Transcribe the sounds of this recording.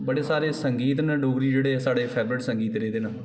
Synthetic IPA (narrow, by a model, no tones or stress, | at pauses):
bəɽeːsaːɾeːsəŋɡiːt̪nãːɖoːɡɾiːd͡ʒeːɽeːsaːɽeːpʰɛːbɾɪʈsəŋɡiːt̪ɾeːd̪eːnaː